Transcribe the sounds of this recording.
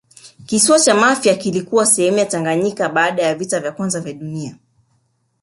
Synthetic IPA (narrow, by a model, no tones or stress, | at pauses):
kisuat͡ʃamafjakilikuwasɛhɛmujataŋɡaɲikaɓaːɗajavitavjakwanzavjaɗunia